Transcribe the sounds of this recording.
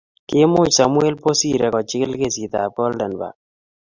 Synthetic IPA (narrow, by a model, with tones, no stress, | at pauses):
kɪ˦mʊ˦t͡ʃsa˨mʊ˦e˦lpo˦si˦ɾɛ˨kɔ˨t͡ʃɪ˦klke˦si˨t̪a˨pɔ˦ldɛ˨nba̰˨